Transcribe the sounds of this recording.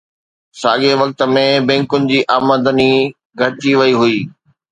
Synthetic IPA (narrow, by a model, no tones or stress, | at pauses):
saːɠeʋɐk̚t̪ə̆mẽbɛ̃ːŋkʊnɪ̆d͡ʑiːʔaːməd̪əni | ɡʱɐɾt͡ɕiʋɐiɦʊiː